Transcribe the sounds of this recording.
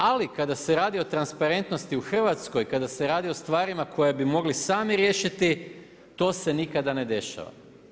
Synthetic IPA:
alikad̪ase̞ɾaːd̪io̞t̪ɾanspaɾe̞nt̪no̞st̪iuxr̩ʋat̪sko̞jkad̪ase̞ɾaːd̪io̞st̪ʋaːɾimakʰo̞jebimo̞ɡlisaːmiɾjeːʃit̪i | t̪o̞ːse̞nikad̪ane̞d̪e̞ʃa̰ʋa̰

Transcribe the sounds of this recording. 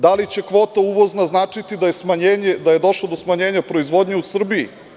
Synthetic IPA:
d̪alit͡ɕe̞kʋo̞ːt̪auʋo̞znaznaːt͡ʂit̪id̪ajesmaɲed̪aje̞d̪o̞ʃlˠod̪o̞smaɲeːɲapɾo̞izʋo̞d̪ɲeusr̩biḭ

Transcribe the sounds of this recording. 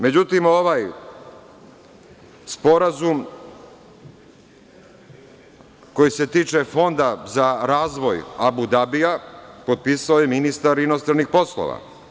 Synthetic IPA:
me̞d͡ʑut̪imo̞ʋaj | spo̞ɾazum | ko̞jiset̪iːt͡ʃefo̞nd̪azaɾaːzʋo̞jabud̪abijapo̞d̪̚piːsaojeminist̪aɾinost̪ɾanixpo̞slˠo̰ʋa̰

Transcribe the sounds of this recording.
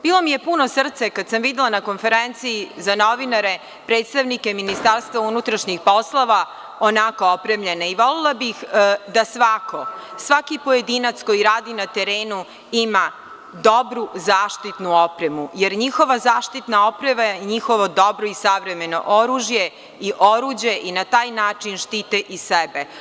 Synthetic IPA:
b̥iːlˠo̞mije̞puno̞sr̩t̪sakad̪samʋid̪elˠanako̞nfe̞ɾent̪siːzano̞ʋinaɾe̞ | pɾe̞ːt̪st̪aʋnike̞minist̪aɾst̪ʋaunut̪ɾaʃɲixpo̞slˠoʋa | onako̞opɾe̞mʎe̞naiʋo̞lilˠabixd̪asʋako̞sʋakipo̞je̞d̪iːnat̪sko̞jiɾaːd̪inat̪e̞ɾe̞ːnu | ima | d̪o̞bɾuzaːʃt̪it̪nuo̞pɾemujeɾɲixo̞ʋazaːʃt̪it̪nao̞pɾemaiɲixo̞ʋo̞d̪o̞bɾoisaʋɾe̞me̞no̞̰ʔoɾuːʒje̞ | iʔoɾuːd͡ʑje̞ʔinat̪aːjnaːt͡ʂinʃt̪iːt̪eʔisebe

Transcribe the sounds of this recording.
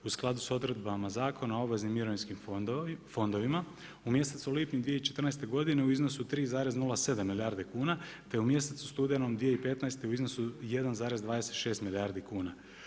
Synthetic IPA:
usklˠad̪uso̞d̪ɾe̞d̪̚bamazaːkʰo̞nao̞bʋeznimːiɾoʋinskimfo̞nd̪o̞ʋima | umje̞se̞t̪soliːpɲud̪ʋijeit͡ʃe̞t̪rnajst̪e̞ɡo̞d̪ine̞uizno̞sut̪ɾiːzaːɾeznulase̞d̪amːiljaːɾd̪ekuːnat̪e̞umje̞set̪su̥st̪ud̪ijanomd̪ʋijeipe̞t̪najst̪euizno̞sujed̪anzaːɾezd̪ʋaːd̪eset̪ʃe̞ːst̪miljaɾd̪ikuːna

